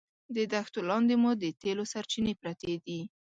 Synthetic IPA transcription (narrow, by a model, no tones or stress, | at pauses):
d̪əd̪axt̪olɑnd̪emud̪ət̪elosaɾt͡ʃinepɾat̪ed̪i